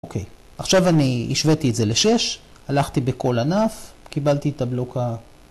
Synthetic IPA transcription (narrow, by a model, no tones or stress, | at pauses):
okʰej | aχʃavaniḭʃvetietze̞leʃe̞ʃ | alaχt̪ibeko̞lanaf | kibalt̪it̪abloka